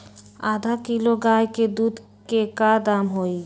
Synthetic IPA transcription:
ad̪ʱakiloɡajked̪ud̪ | kekad̪amɦoj

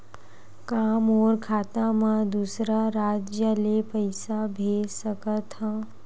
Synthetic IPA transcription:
kaːmɔːɾkʰaːt̪ãmãd̪usɾaɾaːd͡ʒjəlepəɪsabʱeːd͡ʒsəkət̪ɦã

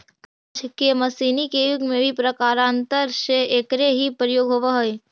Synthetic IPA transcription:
kad͡ʒʰkemɐsiːnikejuɡmẽbʱipɾəkaːɾãnt̪əɾʃeekɾeɦipɾəjoːɡɦoːʋaɦoe

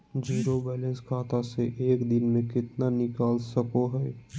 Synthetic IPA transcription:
d͡ʒiːɾobɛːlɛ̃nskʰaːt̪aseʔeːkd̪ɪnmẽkɪt̪nanɪkaːlsɐkoɦɛː

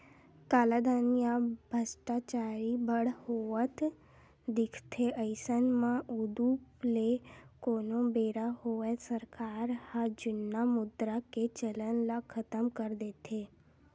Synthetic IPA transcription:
kalad̪anijabʱəsʈat͡ʃaɾibəɽhoʋət̪ | d̪ɪkʰt̪ʰeʔəjsənmãʔud̪uplekonobeɾahoʋesəɾkaɾhãd͡ʒʊnːamʊd̪ɾaket͡ʃələnlakʰət̪əmkəɾd̪et̪ʰe

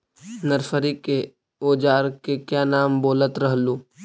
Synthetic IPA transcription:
nəɾfəɾike | oːd͡ʒaːɾkekjaːnaːmboːlət̪ɾɐɦluː

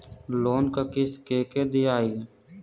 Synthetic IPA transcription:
loːnkakɪskeːkeːd̪iaːil

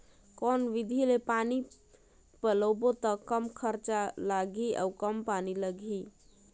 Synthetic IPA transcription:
kɔːnʋɪd̪ʱilepaːni | pələbot̪əkəmkʰəɾt͡ʃalaːɡʱiɔ̰ːkəmpaːniləɡʱi

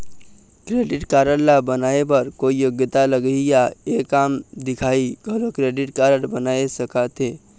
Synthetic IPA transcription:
kɾeɖɪʈkaɾənlabənaepəɾkoijoɡjət̪aləɡəjaekamd̪ɪkʰaiɡʱəlokɾeɖɪʈkaɾəɽbənaesəkat̪e

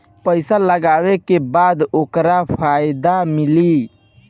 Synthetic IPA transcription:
pəjsaləɡawekebad̪okɾapʰajd̪amili

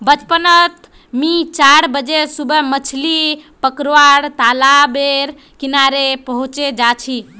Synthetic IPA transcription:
bət͡ʃpənət̪ | mit͡ʃaɽbəd͡ʒesubəmət͡ʃʰlipəkɾoaɾt̪alabeɾ | kinaɾepəɦũt͡ʃed͡ʒat͡ʃʰi

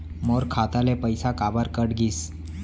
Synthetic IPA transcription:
moɾkʰat̪alepəjsakabəɾkəɽɡʱiːs

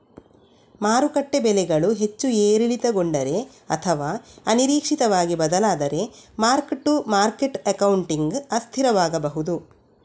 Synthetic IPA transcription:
maːɾukɐʈːebɛlɛɡɐɭuɦe̞t͡ʃːueːɾilit̪ɐɡoɳɖɐɾe̞ | ɐ̰t̪ʰɐʋaːɐniɾiːkʂit̪ɐʋaːɡibɐd̪ɐlaːd̪ɐɾe̞maːɾkʈːumaːɾkeʈɐkɐwuɳʈiŋɡɐst̪ʰiɾɐʋaːɡɐbɐɦud̪u

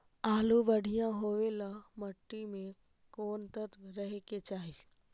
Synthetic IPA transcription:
aːluʋɐɽ̤ʱijãɦoːʋelamɐʈːimẽ | koːnt̪ət̪ɾɐɦeket͡ʃaːɦi

